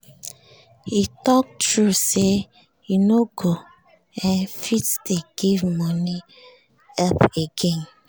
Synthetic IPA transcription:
hitɔk̚tɾuse | jinoɡo | ɛnfitsteɡ̥ivmɔni | ɛpeɡẽn

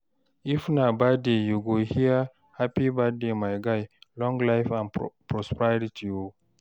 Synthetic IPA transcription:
ifnabadejuɡohiə | hapibademajɡajlɔ̃ŋɡlaɪfãnpɹɔspɹaɾitʰju

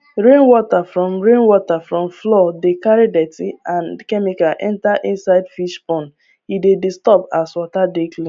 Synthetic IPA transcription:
ɹẽnwɔtafɹɔ̃mɹẽnwɔtafɹɔ̃mflɔdekaɾidɛtiãnkɛmikaʔɛ̃ntaʔĩnsaɪdfiʃbɔ̃n | hidedistɔpaswɔtadeklĩ

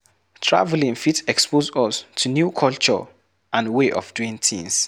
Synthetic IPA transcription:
tʰɹa̰vlĩŋfitɛkspozɔstʰunjukʰɔlt͡ʃɔ̰ | ʔãnweʔɔ̰fduĩŋθḭ̃ŋs

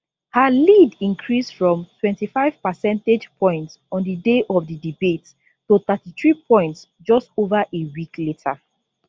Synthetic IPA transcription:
halidĩnkʰɹisfɹɔ̃mtwɛ̃ntifaɪv̥pəsɛ̃nted͡ʒpʰɔ̃ɪ̃ntsɔ̃ndədeʔɔvdədibetː | oθətiθɹipʰɔ̃ɪ̃nts | d͡ʒɔstovaʔewikletʰə

